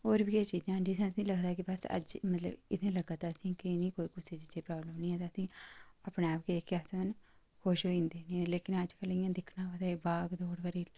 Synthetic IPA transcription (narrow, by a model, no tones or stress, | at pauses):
oːɾbiːeːt͡ʃiːd͡ʒãːɖisãːəsĩːləɡd̪aːkɪbəsə̰d͡ʒmət̪lə̰bɪ̰d̪ẽːləɡaːt̪aːsĩːkɪnĩːkoːiːkʊseːd͡ʒɪt͡ʃeːpɾaːbləmnĩːɛ̃ːt̪aːsĩːəpneːaːpkeekɪaːsmən | kʰoːʃɦoːĩːnd̪eːnĩːleːkɪnəd͡ʒkəlɪ̃jãːd̪ɪkʰnãːʋəd̪aːbaːɡd̪oːɽbəɾiː